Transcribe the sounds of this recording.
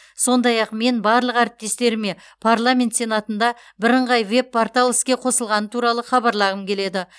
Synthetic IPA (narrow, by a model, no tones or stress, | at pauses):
so̞nd̪ɑjɑqme̞nbɑɾlˠəqæɾɪp̚t̪e̞st̪e̞ɾɪme̞ | pʰaɾlˠamʲe̞nt̪se̞nat̪ənd̪ɑ | bɪɾəɴʁɑjve̞pːaɾt̪alˠəskʲe̞qʰo̞səlˠʁɑnət̪ʰuɾɑlˠəχɑbɑɾlˠɑʁəmkʲʰe̞le̞d̪ɪ